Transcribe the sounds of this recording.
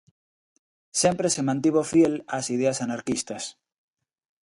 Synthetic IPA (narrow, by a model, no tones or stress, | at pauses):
sempɾesemãnt̪iβ̞ofjelasið̞easanaɾkist̪as